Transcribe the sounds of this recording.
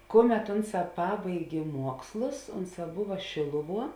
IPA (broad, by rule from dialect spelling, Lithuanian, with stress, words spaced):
ˈkʊˌmʲɛt ˈʊnˌsɑː ˈpɑːbɐɪɡʲeː ˈmuɔkslˠʊs ˈʊnˌsɑː ˈbʊʋɐ ˈʃʲeːlˠʊˌʋuɔ